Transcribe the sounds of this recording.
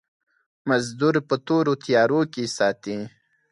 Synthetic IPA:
mazd̪uɾpət̪oɾot̪ijɑɾokesɑːt̪i

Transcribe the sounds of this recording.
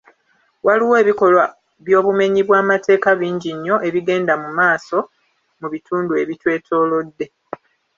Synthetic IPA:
waliwe̞ːβiko̞lwa | βjo̞ːβume̞ɲiβwaːmate̞ːkaβiːɲɟiɲːo̞ʔe̞βiɡe̞ːndamumaːso̞ | muβituːndue̞βitwe̞ːtʰo̞ːlo̞dːe̞

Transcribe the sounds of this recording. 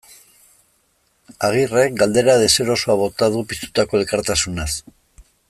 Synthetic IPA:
aɣ̞ire̞k̚ɡald̪e̞ɾaðe̞se̞ɾo̞soaβo̞t̪aðupist̪u̥t̪ako̞e̞lkaɾt̪asunas

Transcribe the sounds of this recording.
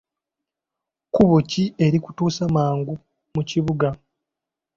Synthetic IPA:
kuβocie̞ɾiku̥tuːsamaːŋɡu | muciβuɡa

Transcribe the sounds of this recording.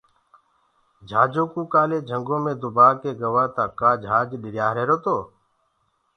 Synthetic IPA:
d͡ʒʱaːd͡ʒoːkuːkaːleːd͡ʒʱəŋɡõːmẽːd̪ʊbaːkeːɡəʋaːt̪aːkaːd͡ʒʱaːd͡ʒɗɪɾjaːɾeːɾoːt̪oː

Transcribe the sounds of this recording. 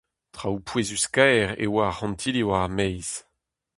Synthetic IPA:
tχawpʰwezyskɛːʁḛwaːhɑ̃mtʰiliwamɛjz̥

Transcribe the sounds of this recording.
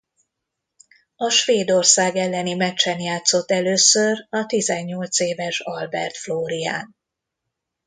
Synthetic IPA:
ɒʃʋeːd̪o̞rsaːɡɛlːɛnimɛtt͡ʃːɛnjaːt̪so̞t̪ːɛløːsørɒt̪izɛɲːo̞lt̪seːvɛʃɒlbɛ̰rt̪floːɾija̰ːn

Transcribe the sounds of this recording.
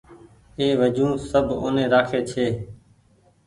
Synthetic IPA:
eːʋəd͡ʒũːsəbʱo̰ːnẽːɾaːkʰeːt͡ʃʰeː

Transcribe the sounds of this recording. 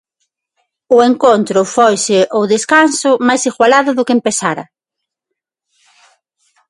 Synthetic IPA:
ʊeŋkont̪ɾʊfojsɪʔoðeskansʊmajsiɣwalaðʊðʊkɪempesaɾɐ̰

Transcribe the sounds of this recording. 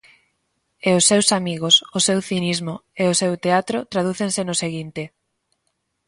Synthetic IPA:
eʊsːewsamiɣ̞osʊsewθinizmoeosewt̪eat̪ɾot̪ɾað̞uθensenʊseɣint̪ɪ

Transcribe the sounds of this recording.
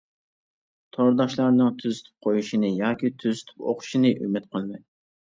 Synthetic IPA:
t̪ʰoɾd̪ɑʃlˠɑɾnɨŋt̪ʰyzy̥t̪ʰy̥p̚qʰojuʃinɨjɑːkʲit̪ʰyzy̥t̪ʰy̥po̰qʰʊ̥ʃinɨʔy̰mɪt̪̚qʰəlˠmɑj

